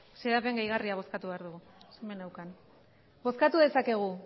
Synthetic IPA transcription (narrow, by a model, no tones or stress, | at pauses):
se̞ɾape̞ŋɡajɣ̞ariaβ̞o̞skat̪uβe̞aɾðuɣu | semenawkan | bo̞skat̪uðe̞sake̞ɣ̞u